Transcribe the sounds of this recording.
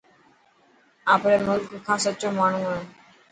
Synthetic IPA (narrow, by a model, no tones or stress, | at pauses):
aːpɾeːmʊlkkʰaːsətːt͡ɕːoːmaːɳ̤ũːaõː